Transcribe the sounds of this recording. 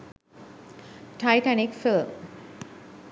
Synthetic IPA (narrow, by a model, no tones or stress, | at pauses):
ʈʰajʈænikfilm